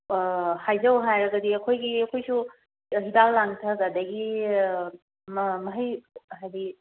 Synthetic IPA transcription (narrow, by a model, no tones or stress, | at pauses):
hajzɐwɦajɾɐɡɐdiɐkʰojɡiɐkʰojsu | ɦidalːaŋtʰɐɡadɐɡi | mmɐɦəjɦajdi